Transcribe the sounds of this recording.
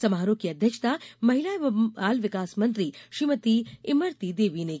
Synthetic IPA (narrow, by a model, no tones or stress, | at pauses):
sɐmaːɾokiɐd̪ʱjɐkʂt̪amɐɦilaːjaːlʋɪkaːsmɐnt̪ɾiʃimɐt̪iimɐɾt̪id̪eːʋine